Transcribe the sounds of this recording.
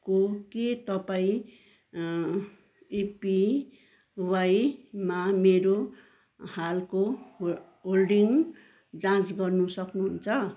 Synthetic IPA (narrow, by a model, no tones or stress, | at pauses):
koket̪ʌpaĩ | epi | wajmameɾo | halko | ɦolɖiŋ | d͡zãt͡sɡʌrnusʌknuɦunt͡sʰʌ